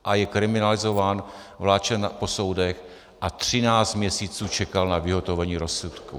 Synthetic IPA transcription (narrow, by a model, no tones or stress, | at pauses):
ʔajɛkɾɪmɪnalɪzo̞vaːn | vlaːt͡ʃɛnpo̞so̞wdɛx | ʔat̪r̝̥ɪnaːt͡st̪mɲɛsiːt͡suːt͡ʃɛkalnavɪɦo̞t̪ovɛɲiːɾo̞sut̪kṵ